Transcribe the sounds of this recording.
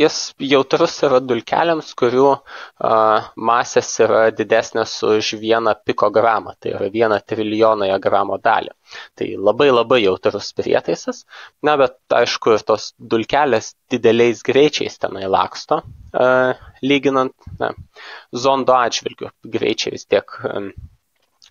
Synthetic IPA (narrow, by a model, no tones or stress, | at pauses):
jɪsjɛʊt̪ɾʊsiːɾɐd̪ʊlʲkʲæ̰ːlʲɛmskʊɾʲuːɐmɑːsʲɛsiːɾɐd̪ʲɪd̪ʲæːsʲnʲɛsʊʃʋʲiɛnɐpʲɪkoːɡrɑːmɐ̰t̪ɐɪḭɾɐʋʲiɛnɐt̪ʲɾʲɪlʲɪjoːnoːjɛɡrɑːmoːd̪ɑ̰ːlʲɪ̰ | t̪ɐ̰ɪlˠɐbɐɪlˠɐbɐɪjɛʊt̪ɾʊspʲɾʲḭɛt̪ɐɪsɐsnʲɛbʲɛt̪̚ɐ̰ɪʃkʊɪɾt̪oːsd̪ʊlʲkʲæːlʲeːsd̪̥ʲɪd̪ʲɛlʲɛɪsɡɾʲɛɪt͡ʃʲɛ̰ɪst̪ʲɛnɐɪlˠɑ̰ːkst̪oː | lʲiːɡʲɪnɐnt̪nʲɛ̰zoːnd̪oːɑːʒʲʋʲɪlʲɡʲʊ̰ɡɾʲɛ̰ɪt͡ʃʲɛɪʋʲɪst̪ʲiɛk